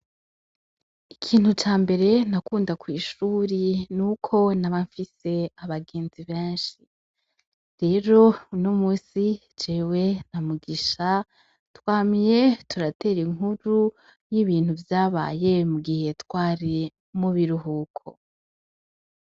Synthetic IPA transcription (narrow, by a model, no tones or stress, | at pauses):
ikʰiːnhut͡ʃaːmbe̞ɾe̞nakuːndakwiːʃuːɾinukʰo̞naβaɱfise̞aβaɡe̞ːnziβeːnʃi | ɾe̞ɾo̞unomuːsi | d͡ʒeːwe̞namuɡiʃa | twaːmje̞tʰuɾate̞ɾiŋɦuɾu | jiβiːnhuvjaːβa̰ːje̞muɡihe̞twaːɾi | muβiɾuɦukʰo̰